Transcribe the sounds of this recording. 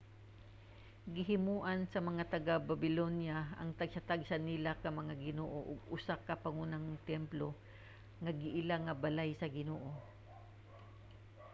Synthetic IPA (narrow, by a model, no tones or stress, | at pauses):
ɡɪɦɪmuːʔɐnsɐmɐŋat̪ɐɡababɪlonjaɐ̰ŋt̪ɐɡsat̪aɡ̚sɐnɪlakɐmɐŋaɡɪnoːʔoʔʊɡʊsakɐpɐŋuːnaŋt̪ɛmplo̞ | ŋɐɡɪʔɪlaŋɐbɐlajsɐɡɪnoːʔo